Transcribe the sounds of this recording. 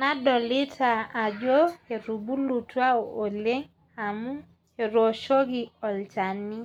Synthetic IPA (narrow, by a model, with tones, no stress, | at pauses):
na˦dɔ˨lɪ˦tʰaː˨d͡ʒo˦e˨ɾu˨bu˦lu˨twa˦oo˨le˦ŋ | a˨mu˦ | e˨ɾo˨ʃo˦ɡi˦ɔ˨lt͡ʃa˨ni˦